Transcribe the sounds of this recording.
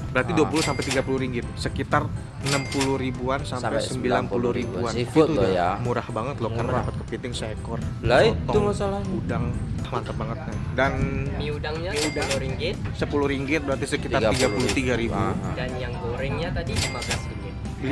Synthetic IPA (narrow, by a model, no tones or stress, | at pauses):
bəɾart̪iduapuluhsampɛjt̪iɡapuluhɾiŋɡɪt̪̚səkit̪ar | ənəmpuluhribuansampajssəmbilanpuluhɾibuanitt̪umuɾahbaŋət̪lohkarnaɾapat̪̚kəpint̪ɪŋsəekɔrlat̪ɔumasalaudaŋhlaŋk̪at̪̚baŋət̪̚kandanmiudaŋɲaiudaluɾiŋɡɪt̪̚səpulʊhɾiŋɡɪt̪̚bəɾat̪isəkit̪ariɡapulut̪iɡaɾibuandanjaŋkoɾɪŋɲat̪adidimabasdiŋɪ